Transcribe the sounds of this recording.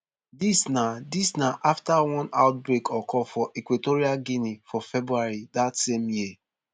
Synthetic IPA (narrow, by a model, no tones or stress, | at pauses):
disnadisnaʔaftawɔ̃naʊt̚bɹekʰɔkɔfɔʔɛkwitoɹiaɡinifɔfɛbɹuaɹidatsẽmji